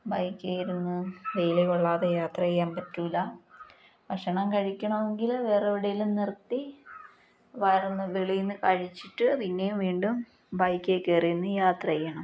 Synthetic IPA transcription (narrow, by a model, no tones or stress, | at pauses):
bɐjkʲːejiɾunːuʋejlejuɭːaːðejaːt̪rɐɐjːaːmpɐtːulɐ | pɐkʂɐɳɐmkɐɻikʲːɐɳɐʋeŋɡilʋeːreʋiɽejilumnirt̪ːi | ʋɐjɐrnːɐʋeɭijnːɨkɐɻit͡ɕːiʈːɨɐpinːejumʋiːɳɖum | bɐjkʲːekːeɐrijunːujaːt̪rɐɐjːɐɳɐm